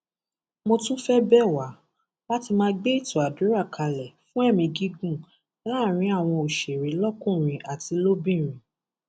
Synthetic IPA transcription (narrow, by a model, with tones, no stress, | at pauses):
mo˧tũ˦fɛ˦bɛ˦˨wa˨˦ | la˦ti˧mãː˦˧ɡ͡be˦i˦˨tu˨a˨du˨˦ɾa˦˨kʰa˧lɛ˨fũ˦ɛ˦˨mĩ˧ɡi˦ɡũ˦˨ | la˦˨ɾ̃ĩ˨˦a˦˨w̃ɔ̃˧o˨ʃe˨ɾe˨˦lɔ˦kũ˦˨ɾ̃ĩ˨ʔa˨ti˨˧lo˦bĩ˦˨ɾ̃ĩ˨